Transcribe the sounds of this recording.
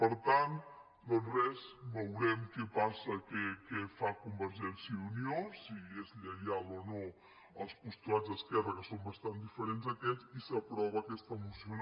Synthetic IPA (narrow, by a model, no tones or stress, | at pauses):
pəɾt̪ant̪ | nonrɛzβəwɾɛmkɛpasəkɛkɛfakumbəɾʒɛnsiɐuniosiezʎəɣalˠono | əlˠspust̪uad͡zzðəskɛrəkəsombəst̪ant̪d̪ifəɾenzəkɛsisəpɾɔβəːkɛst̪əmusun